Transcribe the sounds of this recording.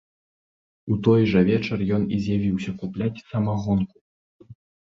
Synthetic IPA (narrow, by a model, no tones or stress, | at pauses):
ut̪ɔjʐɐvʲɛt͡ʂɐrjɔnizʲjavʲiwsʲɐkuplʲat͡sʲsɐmaɣɔnku̥